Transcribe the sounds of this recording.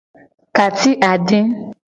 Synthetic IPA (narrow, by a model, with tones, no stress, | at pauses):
ka˨t̪i˦ʔa˨ɖɪ̃˦